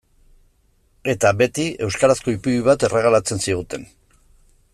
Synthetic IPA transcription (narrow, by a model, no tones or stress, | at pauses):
e̞t̪abe̞t̪ie̞wskaɾasko̞ipuɾiβ̞at̪e̞re̞ɣ̞alat͡se̞nsiɣ̞ut̪e̞n